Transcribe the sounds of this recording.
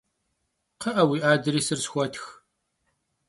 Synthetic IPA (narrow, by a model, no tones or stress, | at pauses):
qʰɐʔɐwiʔaːd̪ɾiːsərsxʷɐt̪ʰx